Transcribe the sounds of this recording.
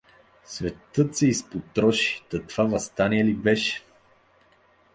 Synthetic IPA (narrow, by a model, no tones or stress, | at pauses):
svɛt̪ɤt̪sɛispot̪ɾɔʃi̥t̪ɐt̪v̥avɐst̪aniɛlibɛʃɛ̥